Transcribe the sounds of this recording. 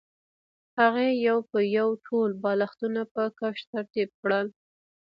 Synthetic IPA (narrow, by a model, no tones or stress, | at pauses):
haɣejawpəjawʈʰolbɑlaxt̪unapəkaʃt̪aɾt̪ib̚kɽəl